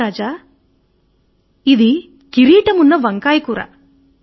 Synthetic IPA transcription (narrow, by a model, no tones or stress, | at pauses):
aːd͡ʒa | id̪i | kiɾiːʈɐmunːɐʋɐŋkaːjkuːɾɐ̰